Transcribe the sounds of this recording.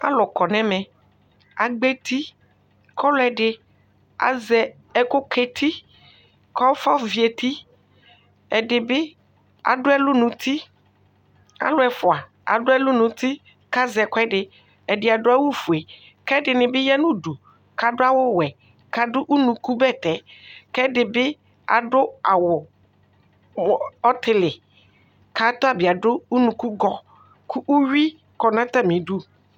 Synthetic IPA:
a̰˦lɔ˨kɔ˨nɛ̃˦mɛ̃˨ | a˨ɡ͡be˦t̪i˦ | kɔ˦lʊ˨ɛ˨ɖɪ˨ | a̰˨zɛ˨ | ɛ˦ko˦kʰe˦t̪ʰi˦ | kɔ˦fɔ˦vi˨e˨t̪i˦ | ɛ˨ɖɪ˨be˦ | a̰˨ɖʊ˦ɛ˦lu˦nũ˨t̪i˦ | a̰˨lʊ˦ɛ˨fo˨a˨ | a̰˨ɖʊ˦ɛ˦lu˦nũ˨t̪i˦ | ka˦zɛ˨kɔ˦ɛ˦ɖɪ˨ | ɛ˨dɪ˨a˨dʊ˦a˦wu˦fu˨e˨ | kɛ˦dɪ˨nɪ̃˨bɪ˦jɛ˦nʊ̃˦du˨ | ka˨dʊ˦a˦wʊ˦wɛ˨ | ka˨dʊ˦ʔu˦nũ˨ku˦bɛ˦˨t̪ɛ˨kɛ˦dɪ˨bɪ˦ | a̰˨dʊ˦a˨wʊ˨ | ɔ˦t̪ʰɪ˦lɪ˨ | ka˨˦t̪ʊ˦a˨bɪ˨a˨dʊ˦u˦nũ˨ku˦ɡɔ˦ | kʊ˦ʔu˦ɥi˦ | kɔ˨nã˦t̪a˦˨mĩ˨du˦

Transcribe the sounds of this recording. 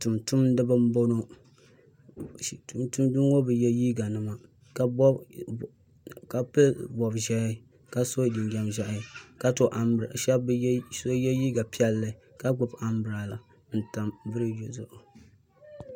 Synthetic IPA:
tu˨mtʊ˦mn˦dɨ˦ba˦m̩˦bo˦no˦˨ | tu˨mtu˦mdu˦ŋ˦o˦bɨ˨jɛ˦jiː˦ɡa˨nɨ˨ma˨ | ka˦bɔ˦ | ka˦pe˦bɔ˨bʒɛ˦ | ka˦so˦di˨ŋɡʲa˨mʒa˨ʔa˨˦ka˦to˨ʔa˨ɾa̰˨ʃa˦bso˦jɛ˦jiː˦ɡa˨pi˦ɛ˦lːɨ˨ | ka˦ɡ͡bʊ˨ba˨mbɨ˨ɾa˨la˨ | n̩˨ta˨mbɨ˦ɾɨ˦jo˨zʊ˦ʔo˨

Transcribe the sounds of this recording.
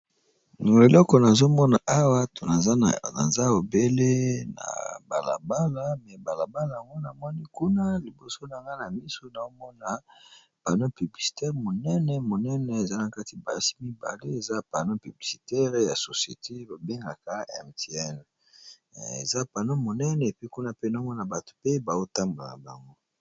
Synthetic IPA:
o˨e˨lɔ˦kɔ˨na˨zo˦mɔ˦na˨ʔa˦wa˦to˨na˨˦na̰˨za˦o˨be˦le˦na̰˨ba̰˨la̰˨ba˦la˦mɛ˨ba˨la˨ba˦la˨a˨ŋɡo˦na˨mɔ˦ni˦ku˦na˦li˨bo˨so˦na˨ŋɡa˦na˨mi˦so˦na˨o˦mɔ˦na˨ | pa˨no˦py˨bli˨si̥˨tɛ˦ʁmo˨nɛ˦nɛ˨mo˨nɛ˦nɛ˨e˨za˦na˨ka˦ti˨ba̰˨ja˦si̥˦mi˦ba̰˨le˦e˨za˦pa˨no˦py˨bli˨si˨tɛ˦ʁja˨so˨sjḛ˨tʰe˦ba˨be˦ŋɡa̰˨ka˦ɛ̰˨mte˨ɛ˦n | ḛ˨za˦pa˨no˦mo˨nɛ˦nɛ˨e˨pi˦ku˦na˦pe˦na˨o˦mɔ˦na˨ba˨to̥˨pe˦ba˨o˦ta˦mbo˨la̰˨ba̰˨ŋɡo˦

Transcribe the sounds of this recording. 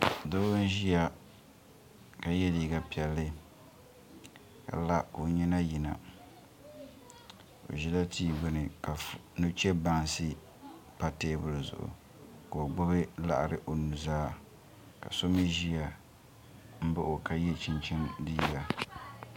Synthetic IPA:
do˦n˦ʒi˦ja˨ | ka˨jɛ˦diː˨ɡa˦pi˨ɛ˨lːɨ˦ | ka̰˨la˦ko˨ɲɛ˦na˦ji˨na̰˨ | o̰˨ʒi˦la˦tʰiː˦ɡʊ˦nɨ˨ka˨nu˦t͡ʃɛ˦ba˦ŋsɨ˦ | pa˦teː˦bʊ˦ɾzʊ̰˨ʔʊ̰˨ | ka˨a˨ɡ͡bʊ˦bɨ˦la̰˦ʔa˨ɾɨ˨ʔo˨nu˨zaː˦ | ka̰˨so˦mi˦ʒi˦ja˨ | m̩˦bʊ˦ʔo˨ka˦jɛ˦t͡ʃɪ˦nt͡ʃɪ˦ndiː˦ɡa˨

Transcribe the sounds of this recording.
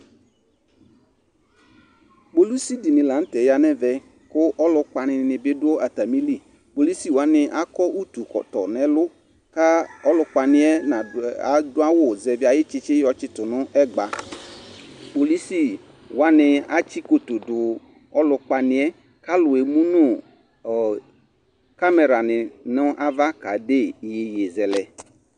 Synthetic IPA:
bo˨lu˦si˦di˨nɪ̃˨la˨˦n̩˦tɛ˨ja˨nɛ˦vɛ˨ | kʊ˦ʔɔ˦lʊ˨ka˨nɪ̃˨nɪ̃˨be˦dʊ˦o˦ʔa˨ta˨mĩ˦li˦˨ | bo˨li˦si˦wa˦nɪ̃˨ʔa˦kɔ˦ʔu˦tu˨kɔ̰˨t̪ɔ̰˨nɛ̃˨lʊ˦ | ka˦ɔ˦lʊ˨k͡pa˨nɪ̃˦ɛ˦na˨a˨dʊ˦a˦wʊ˦zɛ˨vi˦a˨jɪ˦t͡ʃɪ˦t͡ʃɪ˦jɔ˨t͡ʃɪ˦t̪ʊ˨nʊ̃˦ɛ˦ɡ͡ba˨ | k͡po˨li˦si˦˨ | wo˨˦a˦nɪ̃˨a˦t͡ʃi˦ko˨t̪o˨dʊ˨ | ɔ˦lʊ˦k͡pa˨nɪ̃˨ɛ˦ | ka˦lʊ˨e˨mũ˦nʊ̃˦˨ | ka˦me˨ɾa˨nɪ̃˨nʊ̃˦ʔa˦va˦ka˨de˦˨je˨je˨zɛ˨lɛ˨

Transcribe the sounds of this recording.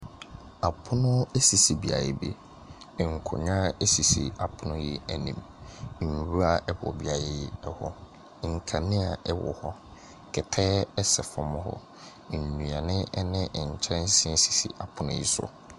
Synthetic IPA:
a˨pʰʊ˦nʊ̃˦e˦si˨si˨bi˨a̰˨jɛ̰˨bḛ˦˨ | ŋ̩˨kʰʊ̰˨ɲã˦e˦si˨sḭ˨a˨pʰʊ˦nʊ̃˦ji˦æ˨nĩ˨m̩˨ | ɲũ˨ɾu˦a˨ʔɛ˦bɔ̰˨bi˨a˨jɛ˦˨ji˦ɛ˦hɔ˦˨ | ŋ̩˨kʰã˨nɪ̃˦a˨ɛ˦wɔ̰˨hɔ˦ | kʰɛ˨tʰɛː˦ɛ˦sɛ˨fɔ̃˨mʊ̃˦hɔ̰˦˨ | ɲũ˨a˨nɪ̃˦ɛ˦nɪ̃˦ʔɲ̩˨t͡ɕʰɛ̃˦n˦sɪ̃˦n˦si̥˨sḭ˨ʔa˨pʰʊ˨nʊ̰̃˦˨ji˦sʊ̰˨

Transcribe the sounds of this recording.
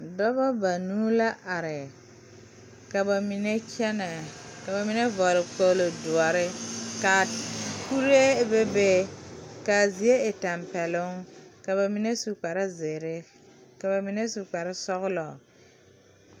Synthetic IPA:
dɔ˦bɔ˦ba˨nuː˦la˦ʔa˨ɾɪ˨ | ka˨ba˨mi˨ne˦kɛ˦nɛ˨ka˨ba˨mi˦ne˦vɔ˨ɾɪ˨k͡po˦lo˨du˨a˨ɾɪ˦ka˨ku˦ɾe˦be˦be˦ka˨zi˨e˦ɪ˨ta˨mpɛ˨lʊ˦ŋka˨ba˨mi˦ne˦su˨k͡pa˨ɾɪ˦zɪ˨ɾɪ˦ | ka˨ba˨mi˨ne˦su˨k͡pa˨ɾɪ˦sɔ˦ɣʊ˦lɔ˨

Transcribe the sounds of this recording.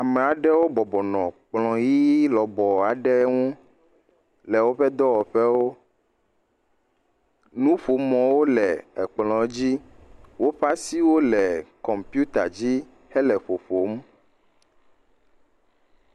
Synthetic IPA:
a˨mɛ˨a˨ɖɛ˦wo˦bɔ˨bɔ˨nɔ̃˨k͡plɔ̃˨ji˦lɔ˨bɔ˨a˨ɖɛ˦ŋũ˦ | lɛ˨wo˦ɸɛ˦d̪ɔ˦wɔ˨ɸɛ˦wo˦ | nũ˦ɸo˨mɔ̃˨wo˦lɛ˨ɛ˨k͡plɔ̃˨˦d͡ʑi˦wo˦ɸa˦si˦wo˦lɛ˨kɔ˨mpju˦t̪a̰˨d͡ʑi˦ | hɛ˦lɛ˨ɸo˨ɸo˨˦m

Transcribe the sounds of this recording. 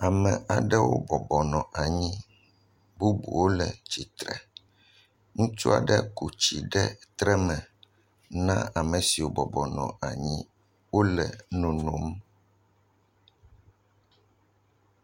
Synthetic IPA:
a˨mɛ˨ʔa˨ɖɛ˦wo̰˦bɔ˨bɔ˨nɔ̃˨ʔa˨ɲĩ˦ | bu˦bṵ˨wo˦lɛ˨t͡ɕi˨t̪ɾɛ̰˨ | ŋũ˦t͡ʃu˦a̰˨ɖɛ˦ku˨t͡ɕi˨ɖɛ˦t̪ɾɛ˦mɛ̃˨ | nã˦a˨mɛ˨si˨wo˦bɔ˨bɔ˨nɔ̰̃˨a˨ɲĩ˦ | wo˦lɛ˨nõ˨nõ˨˦m

